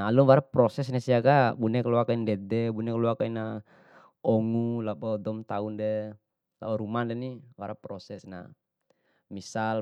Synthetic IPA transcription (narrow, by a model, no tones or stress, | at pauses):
aluwaɾapɾɔsɛs̬nasiakabunɛkluakaindɛdɛbunɛkluakaina | ɔŋulabɔdɔmt̪aundɛ | la̰bɔɾumandɛniwaɾapɾɔsɛsna̰ | misal